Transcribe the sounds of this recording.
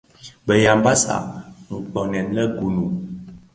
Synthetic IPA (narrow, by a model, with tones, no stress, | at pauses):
bə˨ja˨mba˦sa̰˨ŋ̩˨k͡pɔ˨nɛ˨nlə˦ɡu˨nu˨